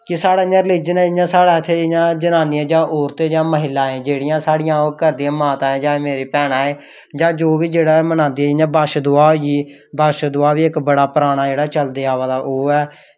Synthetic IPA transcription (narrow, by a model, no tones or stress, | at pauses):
kɪsaːɽaːɪɲãːɾɪliːd͡ʒənɛːɪɲãːsaːɽaːɪt̪ʰːeːɪɲãːd͡ʒənaːnɪːɛːd͡ʒãːʔoːɾt̪eːd͡ʒãːməɦɪlːaːẽːd͡ʒeːɽɪjãːsaːɽɪjãːoːkəɾd̪ijãːmaːt̪ãːɛ̃ːd͡ʒaːeːmeːɾeːpɛːɽaːeː | d͡ʒãːd͡ʒoːbiːd͡ʒeːɽaːmənãːnd̪iːɛːɪɲãːbaːʃd̪ʊaːiː | baːʃd̪ʊaːʋiːɪkbəɽaːpɾaːɽ̃aːd͡ʒeːɽaːt͡ʃəld̪eːaːʋaːd̪aːʔoːɛː